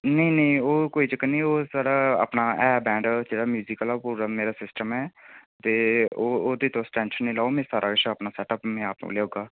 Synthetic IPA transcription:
nəĩnəĩoːkoːiːt͡ʃəknĩːoːsaːɽaːa̰ːpnaːɛːbɛ̃ːɳɖd͡ʒeːɽaːmjuːzɪkəlapuːɾameːɾaːsɪsʈəmɛːt̪eːoːoːd̪iːt̪õːsʈɛ̃ːnʃənːĩːlaːomɛ̃ːsaːɾʔaːkɪʃəːpnaːsɛːʈəpmɛ̃ːaːp̚nõ̰ːleːɦoːɡaː

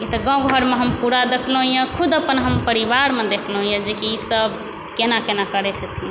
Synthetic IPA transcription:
it̪ɔɡɔ̃ɡʱəɾmeɦəmpuɾad̪ekʰləɦũjãkʰud̪əpənɦəmpəɾibaɾmed̪ekʰlɦũjãd͡ʒekiisəb | kenakenakəɾɛt͡ʃʰɛt̪ʰi

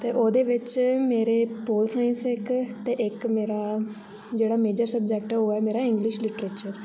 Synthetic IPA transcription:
t̪eːʔoːd̪eːʋɪt͡ʃmeːɾeːpoːlsaːɪnsɪkt̪eːʔɪkmeːɾaː | d͡ʒeːɽaːmeːd͡ʒəɾsəb̚d͡ʒɛːkʈoːɛːmeːɾaːɪ̃ŋɡlɪʃlɪʈɾeːt͡ʃəɾ

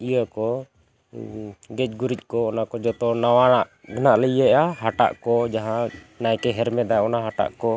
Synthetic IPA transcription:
ijəkɔ | ɡɛt͡ʃ̚ɡuɾic̚ˀkɔɔnakɔd͡ʒɔt̪ɔnawanaʔɡʱənaʔləjəʔaɦaʈa̰ʔkɔd͡ʒaɦã | najkɛɦɛɾmɛd̪ajɔnaɦaʈa̰ʔkɔ

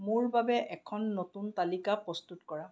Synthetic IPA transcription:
mʊɹbabɛʔɛkʰɔnːotuntalikapɹɔstutkɔɹa

